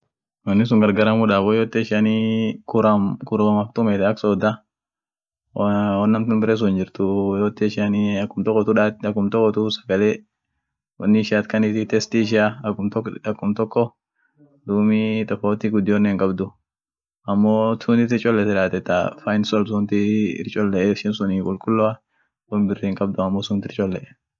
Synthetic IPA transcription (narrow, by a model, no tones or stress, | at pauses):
wɔnːɪs̬ʊŋɡɐɾɡɐɾɐmʊᶑaːbɔjoːt̪ːɛɪʃanikʊɾɐmkʊɾɐmɐkt̪ʼʊmɛt̪ɛɐksɔːd̪ɐ | wɔnːɐmt̪ʊnbɪɾes̬ʊnd͡ʒɪɾt̪ʊjoːt̪ːɛʃanikːʊmt̪ɔkːɔt̪ʊᶑaɐkːʊmt̪ɔkːɔt̪ʊsɐɡɐleː | wɔ̰nːɪɪʃaːt̪kɐnɪt̪ɪt̪ɛst̪ɪːʃ̬ɪatɔɐkːʊmt̪ɔkːɔ | d̪uːmit̪ʼɔfoːt̪ːɪɡʊd̪ːɪɔnːɛːŋkʼɐbd̪ʊ | ɐmːoːt̪ʰʊnt̪ɪt̪ɪɾt͡ʃʼɔlːɛt̪ɪᶑaːt̪ɛt̪ːa̰fajnsɔls̬ʊnt̪ɪɪ̰ɾt͡ʃʼɔlːɛɪʃɛnsʊniːkʼʊlkʼʊlːɔa | ɔnbɪrːeŋkʼɐb̚d̪ʊɐmːoːsʊnt̪ɪɾt͡ʃʼɔlːɛʔɛ